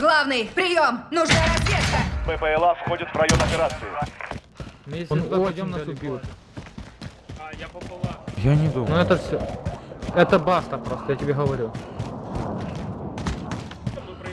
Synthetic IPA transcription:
ɡlˠavnɨjpɾʲɪjo̞mnʊʐnaɾɐsʲtʲeskəpɛpɛɛlˠafxodʲɪt̪vɾɐjomɐpʲɪɾat̪sɨɪ | mʊjesʲnpɐdʲomnalsʊbʲilˠ | japplˠjanʲɪd̪unuɛt̪əfsʲo | ɛt̪əbast̪əpɾost̪əjatʲɪbʲeɣəʋɐɾʲu

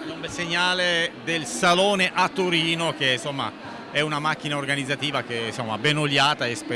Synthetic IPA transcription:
nombeseɲːaːled̪elsaloːneʔat̪ːoɾiːnokensomːa̰ | ɛunamak̟ːinaorɡanid̪zːat̪iːvak̟ensomːa̰benolːaːt̪aespe

